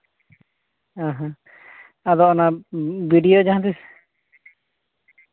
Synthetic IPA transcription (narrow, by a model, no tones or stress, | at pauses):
aɦã | ad̪ɔɔnabiɖijod͡ʒaɦãt̪is